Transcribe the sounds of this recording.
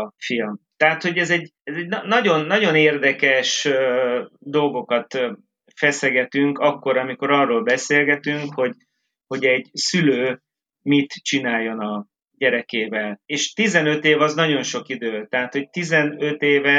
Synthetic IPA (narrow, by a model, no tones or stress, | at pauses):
filmt̪ɛɦat̪ho̞ɟɛzɛɟɛzɛɟnɒːɒɟo̞nːɒɟo̞neːrd̪ɛkɛʃ | d̪o̞lɡo̞kɒt̪ | fɛsɛɡɛt̪yŋkɒkːo̞ɾɒmiko̞ɾɒrːoːlbɛseːlɡɛt̪yŋkho̞ɟ | ho̞ɟɛɟsyløː | mit̪t͡ʃinaːjːo̞nɒ | ɟɛɾɛkeːvɛleːʃt̪izɛnø̞t̪eːvɒznɒɟo̞nʃo̞kid̪øːt̪ɛɦat̪ho̞c̚t̪izɛnøt̪eːvɛ